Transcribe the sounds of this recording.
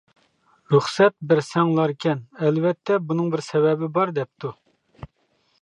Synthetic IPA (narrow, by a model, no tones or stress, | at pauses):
ɾuχsɛt̪̚bɪɾsɛŋlˠɑɾɪkʲʰɛnɛlvɛt̪ʰːɛbunɨŋbɪɾsɛbɛbɪbɑɾd̪ɛp̚t̪ʰu